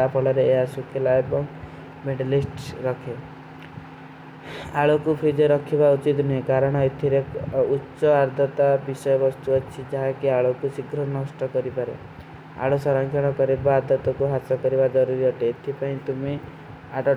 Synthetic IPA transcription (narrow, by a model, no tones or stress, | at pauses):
apʰɔlɔɾeːɦasukʰelaebɔŋ | meɖelisʈɾɔkʰe | aɭokupʰid͡ʒɔɾɔkʰibaut͡ʃit̪nuɦẽkaɾɔɽ̃ɔet̪ʰiɾeutːʃɔaɾd̪ʱɔt̪abisɔjɔbɔst̪uɔt͡ʃʰid͡ʒaɦakiaɭokusiɡɾɔnɔsʈɔkɔɾipaɾḛ | a̰ɭosɔɾɔŋkʰjɔɽ̃ɔkɔɾebaːd̪ɔt̪ɔkuɦasɔkɔɾibad͡ʒɔɾuɾiɔʈeːt̪ʰipaĩt̪ume | aɖɔ